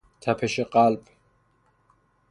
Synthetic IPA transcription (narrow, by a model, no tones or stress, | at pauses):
t̪ʰapʰɛʃɛqʼalbʼ